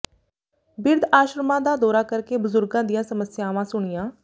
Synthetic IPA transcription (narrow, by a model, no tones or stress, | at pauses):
bɪɾd̪aːʃɾəmãːd̪aːd̪ɔːɾaːkəɾkeːbʊzʊɾɡãːd̪ɪjãːsəməsɪjaːʋãːsʊɳ̃ɪjãː